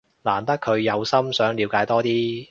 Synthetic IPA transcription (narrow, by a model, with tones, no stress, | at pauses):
laː˨˩nt̪ɐ˥kʰɵ˨˧ɥjɐ˨˧wsɐ˥msœː˨˥ŋli˨˧wkaː˨˧˥jt̪ɔː˥t̪iː˥